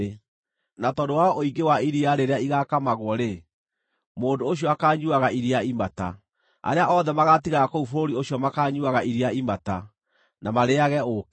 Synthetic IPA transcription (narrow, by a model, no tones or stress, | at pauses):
natɔdowaɔʔoiɡewaiɾiaɾeɾeaiɣakamaɣwɔɾe | moːndoːɕ̬iɔakaːɲuaɣaiɾiaimata̰ | a̰ɾeaʔɔðɛmaɣatiɣaɣakoufoɾoɾioɕjɔmakaːɲuaɣaiɾiaimata | namaɾeaɣɛok